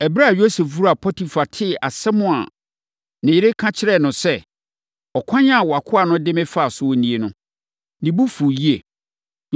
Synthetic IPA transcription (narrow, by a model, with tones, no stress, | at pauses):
ɛ˨bɾa˦a˨jo˦se˨fvu˦ɾu˦˨a˨pʰɔ˦tʰi˨fa˨tʰɪ˦˨ʔa˨sɛ˦mʊ̃˦˨a˨ | nɪ̃˨jɪ˦ɾe˦kʰã˦t͡ɕʰɪ˦ɾɛ˦˨nʊ̃˨sɛ˦ | ɔ˨kʷʰã˦ɲã˦a˨wɔ˨a˨kʰʊ˦a˨nʊ̃˦dɪ̃˦mɪ̃˦fa˦˨sʊ˦wɔ˦nĩ˦e˨nʊ̃˦ | nĩ˨bu˦fu˨ji˦e˨